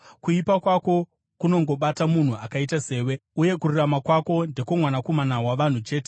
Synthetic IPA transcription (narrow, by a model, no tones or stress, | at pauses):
kuipakwako̞ | kuno̞ŋɡo̞ɓatamun̤ua̰kaitase̞ːwe̞uje̞kururamakwako̞nde̞komwanako̞manaɦwaʋan̤ut͡ʃe̞ːte